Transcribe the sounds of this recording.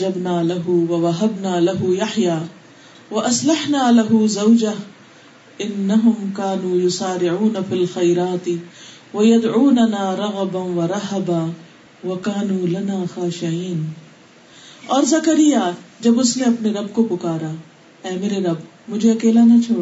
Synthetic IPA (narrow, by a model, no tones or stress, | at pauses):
d͡ʒɐbnaːlɐɦʊwɐwɐɦɐbnaːlɐɦʊjaħjaː | wɐʔɐslɐħnaːlɐɦʊzɐwd͡ʒɐɦ | ɪnːɐɦʊmkaːnuːjʊsaːɾɪʕuːnɐfiːlxɐjɾaːt̪ɪ | wɐjɐd̪ʕuːnɐnaːɾˤɐɣɐbawɐɾˤɐɦɐbaː | wɐkaːnuːlɐnaːxaːʃɪʕiːn | ɔːɾzɐkɐɾɪjaːd͡ʒɐbʊsneɐpneɾɐbkopʊkaːɾa | ɛːmeːɾeɾɐb | mʊd͡ʒʱeɐkeːlanat͡ʃʰoː